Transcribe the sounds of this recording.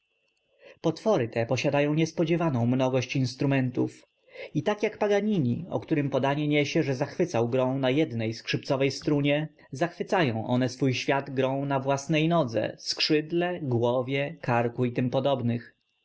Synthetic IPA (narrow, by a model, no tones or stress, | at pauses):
pɔt̪fɔɾɘt̪ɛpɔɕad̪ajɔ̃w̃ɲɛspɔd͡ʑɛvanɔ̃w̃mnɔɡɔɕt͡ɕinst̪ɾumɛnt̪uf | it̪akjakpaɡaɲiɲḭɔ̰kt̪uɾɘmpɔd̪aɲɛɲɛɕɛʐɛzaxfɘt̪sawɡɾɔ̃w̃najɛd̪nɛjskʂɘpt̪sɔvɛjst̪ɾuɲɛ | zaxfɘt̪sajɔ̃w̃ʔɔ̰nɛsfujɕfʲjad̪ɡɾɔ̃w̃navwasnɛjnɔd̪zɛ̰skʂɘd̪lɛɡwɔvʲjɛkaɾkuit̪ɘmpɔd̪ɔbnɘx